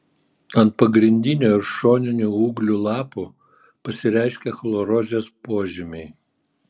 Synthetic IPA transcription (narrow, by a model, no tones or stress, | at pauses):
ɐnt̪̚pɐɡɾʲɪnʲd̪ʲɪnʲuːɪɾʃoːnʲɪnʲuuːɡlʲuːlˠɑːpu | pɐsʲɪɾʲæɪʃʲkʲɛxlˠoɾoːzʲeːspoːʒʲɪmʲɛɪ